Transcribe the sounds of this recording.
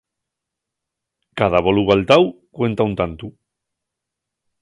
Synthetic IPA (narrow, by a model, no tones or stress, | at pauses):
kaðaβoluɣalt̪aw | kwe̞nt̪aunt̪ant̪u